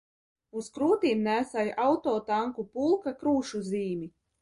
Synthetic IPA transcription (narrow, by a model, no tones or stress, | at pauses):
uskɾuːt̪iːmnæːsajʔawt̪ɔːt̪aŋkupulˠkakɾuːʃuziːmi